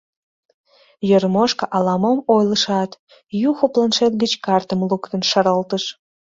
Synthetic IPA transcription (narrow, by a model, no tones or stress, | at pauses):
jormoʃkəʔɑlɑmomojləʃɑt̪ | juxoplɑnʃet̪̚ɡət͡ɕkɑrt̪əmlukt̪ənʃəɾəlt̪əʃ